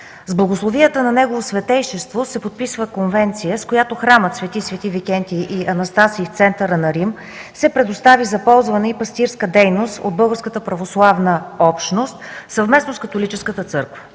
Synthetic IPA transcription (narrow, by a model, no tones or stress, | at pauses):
zblˠɐɡoslˠovijət̪ənɐnɛɡovosvɛt̪ɛjʃɛst̪vosɛpot̪̚pisvəkonvɛnt̪sijəskojat̪oxɾamət̪svɛt̪isvɛt̪ivikɛnt̪ʲiʔiʔɐnɐst̪asiːft̪sɛnt̪əɾənɐɾim | sɛpɾɛd̪ost̪avizɐpɔlˠzvənɛipɐst̪iɾskəd̪ɛjnost̪o̰d̪̚bɤlˠɡəɾskət̪əpɾɐvoslˠavnəɔpʃnost̪sɐvmɛsnoskɐt̪olit͡ʃɛskət̪ət̪sɤɾkvə̥